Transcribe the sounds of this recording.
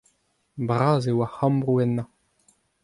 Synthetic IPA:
bʁaːzewahãmbʁuɛnːa

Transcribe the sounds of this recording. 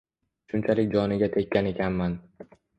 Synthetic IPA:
ʃʊnt͡ʃʰalɪkʲd͡ʒɒnɪɡʲat̪ʰekʲːane̞kʲʰanman

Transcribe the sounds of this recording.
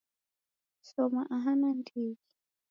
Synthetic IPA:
sɔmaʔaɦanandiːɡi̥

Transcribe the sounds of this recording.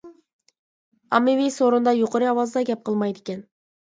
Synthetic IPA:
ɑmevijsoɾund̪ɑjuqoɾiɑwɑzd̪ɑɡʲep̚qʰɯlˠmɑjt̪e̥kʲen

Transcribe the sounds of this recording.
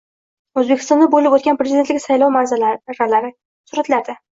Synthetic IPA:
ɵzbekʲʰɪ̥st̪ɒnd̪abolɪpot̪kʲanpɾezɪd̪et̪lɪkʲsajlɒwmaɾzalɾalaɾɪ | sʊɾat̪laɾd̪ɪ

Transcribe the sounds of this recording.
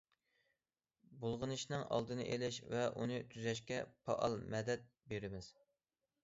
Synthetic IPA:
bolˠʁɨnɨʃnɨŋʔɑ̰lˠd̪ɨnɨ̰ʔelɪʃvɛʔṵnɨt̪ʰyzɛʃkʲɛpʰɑ̰ʔɑlˠmɛd̪ɛt̪̚ | beɾɪmɪz̥

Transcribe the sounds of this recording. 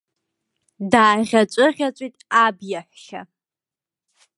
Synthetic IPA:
daːʁʲat͡ʃʷʼɨʁʲat͡ʃʷʼitʼabjaħʷʃa̰

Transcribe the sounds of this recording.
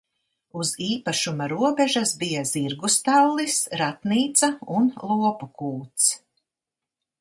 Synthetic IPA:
uziːpaʃumaɾuɔbɛʒasbijaz̥iɾɡust̪allˠisɾat̪niːt̪sɐunlˠuɔpukuːt̪s

